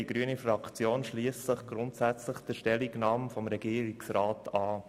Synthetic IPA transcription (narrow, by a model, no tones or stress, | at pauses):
iɡ̥ɾyənifɾɑkt͡sjoːnʃliːssɪχɡ̥ɾʊntsæt͡slɪχd̥əʃtɛliɡnɑːmfɔmɾɛɡiːɾiksɾɑːtɑː